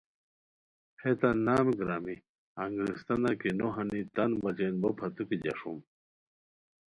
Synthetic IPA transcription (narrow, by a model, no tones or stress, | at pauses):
het̪anaːmɡɾami | ɐŋɡɾist̪ɐnakinoɦɐnit̪ɐnbɐd͡ʑenbopʰɐt̪ukid͡ʑɐ̰ʂum